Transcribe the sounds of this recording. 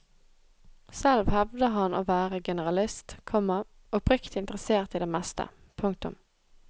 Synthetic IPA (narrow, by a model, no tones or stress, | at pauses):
sɛlʋhɛʋd̪əɦɑnoːʋæːʁəɡɛnəʁɑlɪst̪kʰɔmːə | ɔpʰʁʏkt̪ɪnt̪əʁəseːʁt̪iːd̪eːmɛst̪ə̰ | pʰʊŋkt̪ʊ̰m